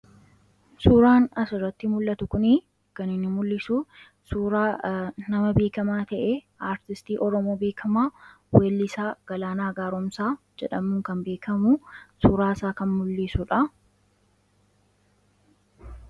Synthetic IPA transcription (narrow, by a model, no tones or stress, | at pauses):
suːɾaːnɐsʊrːɐt̪ːɪmʊlːɐt̪ʊkʊnɪ | kɐnɪnːɪmʊlːɪsu | suːɾaːnɐmɐbeːkɐmaːt̪ɐʔeʔaːɾt̪ɪst̪iːʔɔɾɔmoːbe̞ːkʰɐmaː | weːlːɪsaːɡ̥ɐlaːnaːɡaːɾɔmsaː | d͡ʒɛᶑɐmʊːŋkɐnbeːkʰɐmʊsuːɾaːsaːkɐnmʊlːiːsʊᶑɐ